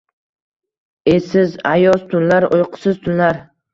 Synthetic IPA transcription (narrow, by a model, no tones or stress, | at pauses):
e̞sɪzajɒst̪ʰʊnlaɾojqʰʊ̥sɪz̥t̪ʰʊnlaɾ